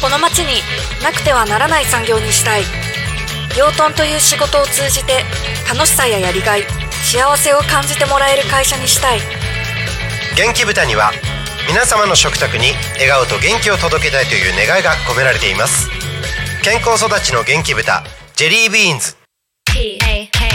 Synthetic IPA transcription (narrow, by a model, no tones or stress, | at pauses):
ko̞no̞mat͡ɕiɲ̟i | nakɯ̟̥t̪e̞βanaɾanaisãŋɡʲo̞ːɲ̟iɕi̥t̪ai | ɡʲo̞ːt̪õ̞nt̪o̞jɯ̟ːɕiɡo̞t̪o̞ːt͡sɨːʑit̪e̞ | kano̞ɕi̥sajajaɾʲiɡai | ɕiaβ̞ase̞o̞kãɲ̟d͡ʑit̪e̞mo̞ɾae̞ɾɯ̟kaiɕaɲ̟iɕi̥t̪ai | ɡẽ̞ŋkʲibɯ̟t̪aɲ̟iβa̰ | mʲinasamano̞ɕo̞kɯ̟̥t̪akɯ̟ɲ̟i | e̞ɡaɯ̟t̪o̞ɡẽ̞ŋkʲio̞t̪od̪o̞ke̞t̪ait̪o̞jɯ̟ːne̞ɡaiɡako̞me̞ɾaɾe̞t̪e̞imasɨ̥ | kẽ̞ŋko̞ːso̞d̪at͡ɕino̞ɡẽ̞ŋkʲibɯ̟t̪a̰d͡ʑe̞ɾʲiːbĩːnd͡zɨ̥